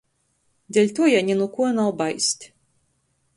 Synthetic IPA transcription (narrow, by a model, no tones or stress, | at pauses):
d̪ʲɛlʲt̪uɔjanʲinukuɔnawbajst̪ʲ